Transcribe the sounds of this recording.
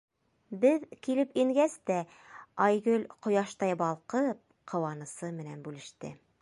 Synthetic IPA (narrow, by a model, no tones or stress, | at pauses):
bɘðkilɘpiŋɡæst̪æ | ɑjɡɵlʲqŏjɑʃt̪ɑjbɑlˠqɤp̚ | qʰɤ̆wɑnɤ̆sɤmɘ̆nænbʉlɘ̆ʃt̪ɘ̰